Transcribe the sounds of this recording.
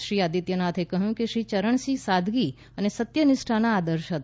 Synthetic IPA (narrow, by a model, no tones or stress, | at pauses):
ʃɾiad̪it̪jənat̪ʰekəɦjũkeʃɾit͡ʃəɾəɳ̃sisad̪ʱɡi | ənesət̪jənɪʃʈʰanaːd̪əɾʃɦət̪